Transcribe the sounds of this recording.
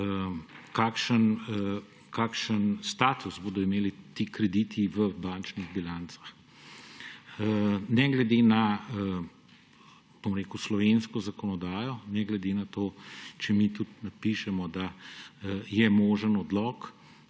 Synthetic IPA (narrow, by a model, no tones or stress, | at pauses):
kaːkʃən | kʰaːkʃənst̪aːt̪uzboːd̪ɔimeːlit̪iːkɾɛd̪iːt̪ʰiʋəbaːnt͡ʃniɣbilaːnt̪sḁx | nɛɡlɛd̪eːna | b̥omɾeːkuslɔʋeːnskɔzakɔnɔd̪aːjɔnɛɡlɛd̪enat̪oːt͡ʃɛmit̪ut̪napiʃɛmɔd̪a | jɛmoːʒənɔd̪lɔk